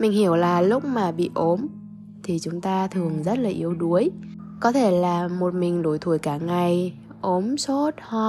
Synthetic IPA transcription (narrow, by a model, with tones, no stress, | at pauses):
mï˨˩ŋ̟hi˧˩əwlaː˨˩lʊ˦˥k͡p̚maː˨˩ɓḭ˧˨ʔo˨˦m | t̪ʰi˨˩t͡ɕʊ˨˦ŋ͡mt̪aː˧t̪ʰɨ˨˩əŋzə˦˥t̚laː˨˩ʔi˨˦əwɗu˨˦əj | kɔ˨˦t̪ʰe˧˩laː˨˩mo˨˩t̚mï˨˩ŋ̟ɗo˧˩jt̪ʰu˧˩əjkaː˧˩ŋa˨˩j | ʔo˨˦mso˦˥t̚hɔ˧